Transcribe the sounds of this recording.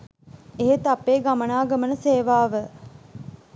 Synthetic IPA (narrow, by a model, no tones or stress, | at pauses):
eɦet̪apːeːɡamənaːɡəmənəseːʋaːʋə